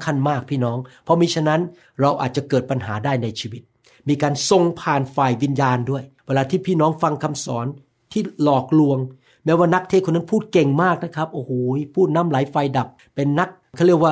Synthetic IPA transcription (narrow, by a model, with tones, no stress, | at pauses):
kʰa˧nmaː˥˩k̚pʰiː˥˩nɔː˦˥ŋpʰɔ˦˥miː˧t͡ɕʰa˧nːa˦˥n | ɾa˧wʔa̰ː˨˩t̪̚t͡ɕa˨˩kɤː˨˩t̪̚pa˧nɦaː˩˦daː˥˩jna˧jt͡ɕʰiː˧wi˦˥t̪̚ | miː˧kaː˧nso˧ŋpʰaː˨˩nfaː˨˩jwi˧njaː˧ndu˥˩əjweː˧laː˧t̪ʰiː˥˩pʰiː˥˩nɔː˦˥ŋfa˧ŋkʰa˧msɔː˩˦n | t̪ʰiː˥˩lɔː˨˩k̚lu˧əŋ | mɛː˦˥waː˥˩na˦˥k̚t̪ʰeː˥˩kʰo˧nːa˦˥npʰuː˥˩t̪̚ke˨˩ŋmaː˥˩k̚na˦˥kʰa˦˥p̚ʔoː˧˩hoː˩˦jpʰuː˥˩t̪̚na˦˥˨mla˩˦jfa˧jda˨˩p̚ːe˧nːa˦˥k̚kʰa˥˩li˥˩əkwaː˥˩